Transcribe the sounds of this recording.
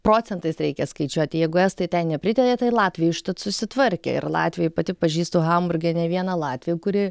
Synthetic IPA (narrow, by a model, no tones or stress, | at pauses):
pɾoːt͡s̪ʲɛnt̪ɐɪsɾʲɛɪkʲɛskɐɪt͡ʃʲuɔt̪ʲɪjɛɪɡʊɛst̪ɐɪt̪ʲɛnnʲɛpʲɾʲɪt̪ʲɛɾʲeːt̪ɐɪlˠɑːt̪ʲʋʲɪjɛɪʃt̪ɐt̪sʊsʲɪt̪ʋɐɾʲkʲɛ̰ɪ̰rlˠɑ̰ːt̪ʲʋʲɪjɛɪpɐt̪ʲɪpɐʒʲiːst̪oːɣɐmbʊrʲɡʲɛnʲɛʋʲiɛnɐlˠɑːt̪ʲʋʲɪjʊkʊɾʲɪ